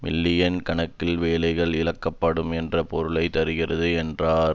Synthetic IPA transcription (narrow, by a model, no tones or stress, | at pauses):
mɪ̰lːɪjɐnkɐɳɐkːɪlʋeːlɐɪɣɐɭɪlɐkːɐpːɐɽɯmɛndrɐpɔɾɯɭɐɪt̪ɐɾɯɣɪrɐðɯɛndraːɾ